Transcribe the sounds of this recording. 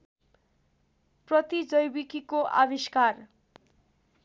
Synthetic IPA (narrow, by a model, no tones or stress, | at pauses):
prɔt̪id͡ʒojbikikoʔa̰biskar